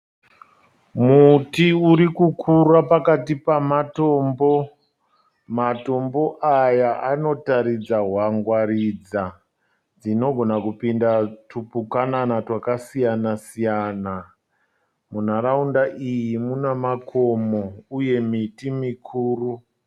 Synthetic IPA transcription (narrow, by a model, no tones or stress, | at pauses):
mutiuɾikukʰurapakatipamato̞ːmbo̞ | mato̞mbo̞ʔajaʔano̞taɾid͡zaɦwaŋɡwarid͡za | d͡zino̞ɡʱo̞nakupindatupukananatwakasijanasijana | mun̤aɾaundaʔijimunamakʰo̞mouje̞mitimikʰuːru